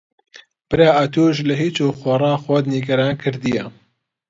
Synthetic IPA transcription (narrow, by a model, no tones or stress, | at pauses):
b̥ɨɾaːʔɐt̪ʰuːʒlɐɦiːt͡ʃuːxoːrˤɑːxod̪niːɡɐɾaːnkʰɨɾd̪ijɐ